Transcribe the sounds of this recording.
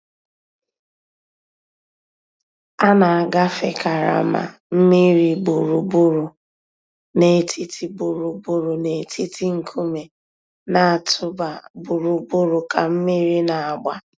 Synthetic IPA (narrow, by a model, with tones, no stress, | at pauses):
a˦na˨a˨ɡa˦fe˨ka˨ɾa̰˨ma̰˨ | m̩˦mi˦ɾi˨bu˨ɾu˨bu˦ɾu˨ | ne˨tʰi˦tʰi˦bu˨ɾu˨bu˦ɾu˨ne˨tʰi˦tʰi˦ŋ̩˨kʰu˦me˨ | na˨a˨tʰʊ˦ba˨bu˨ɾu˨bu˦ɾʊ˨ka˨m̩˦mi˦ɾi˦na˨a˨ɡ͡ba˦